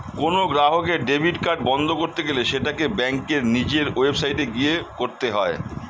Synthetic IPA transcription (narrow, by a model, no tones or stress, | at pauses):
konoɡɾaɦokeɖebʱiɖkaɾʈ̚bɔnd̪ʱokoɾt̪eɡeleʃeʈakebɛŋkeɾnid͡ʑeɾwebsajʈeɡijekoɾt̪eɦɔe